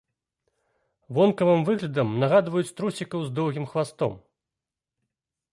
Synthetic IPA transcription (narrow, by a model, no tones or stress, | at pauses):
vɔnkɐvɨmvɨɣlʲɐd̪ɐmnɐɣad̪vɐjut͡sʲt̪ɾusʲikɐwzd̪ɔwɣʲimxvast̪ɔ̰m